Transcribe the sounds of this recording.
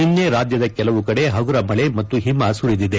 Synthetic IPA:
inːeɾaːd̪jɐd̪ɐkɛlɐʋukɐɽe̞ɦɐɡuɾɐmɐɭemɐt̪ːuɦimɐsuɾid̪id̪e

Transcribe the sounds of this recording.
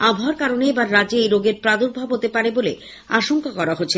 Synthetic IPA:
abʱoaɾkaɾoneebaɾːad͡ʑeejɾoɡeɾpɾad̪oɾbʱabɦot̪epaɾebolḛ | aʃoŋkakɔɾaɦotːɕʰe

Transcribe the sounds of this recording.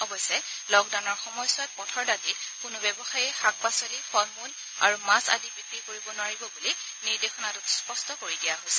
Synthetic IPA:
ɔbɔsɛlɔɡdaʊnɔɹxɔmɔjsʊat̚pɔtʰɔɹdatitkʊnʊbɛbɔxajɛxak̚pasɔlixɔlmun | a̰ɹumasa̰dibikɹikoɹibɔnʊwaɹibɔbuli | niɹdexɔnatʊspɔstɔkoɹidijaɦojsɛ̥

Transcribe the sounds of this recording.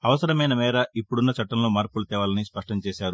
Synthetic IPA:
ɐʋɐsɐɾɐmɐjnɐmɛːɾɐipːuɽunːɐt͡ʃɐʈːɐmlo̞ːmaːɾpulut̪ɛːʋaːlɐnispɐʂʈɐɲt͡ʃɛːʃaːɾu

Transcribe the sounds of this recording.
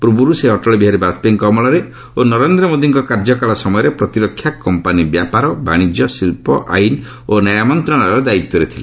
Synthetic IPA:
pɾubuɾuseɔʈɔɭɔbiɦaɾibaspeŋkɔmɔɭɔɾe | onɔɾend̪ɾɔmod̪iŋkɔkaɾd͡ʒɔkalɔsɔmɔjɔɾepɾɔt̪iɾɔkʰːjakɔmpanibjapaɾɔbaɽ̃id͡ʒjɔsilpɔʔa̰jn | onajamɔnt̪ɾɔnaɾɔd̪aik̚t̪ːɔɾet̪ʰile

